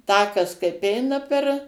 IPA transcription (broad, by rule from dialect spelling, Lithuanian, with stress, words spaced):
ˈtɑːkɐs kɐɪp ˈɛɪnɐ pʲɛr